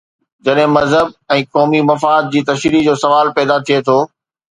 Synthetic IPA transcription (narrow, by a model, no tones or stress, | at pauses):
d͡ʑɐɗɦɪ̃mɐzɦəb̚ɛ̃ːkɔːmimɐfaːd̪̚d͡ʑiːt̪ɐʃɾid͡ʑoːsɐʋaːlpɛːd̪at̪ʰiet̪ʰoː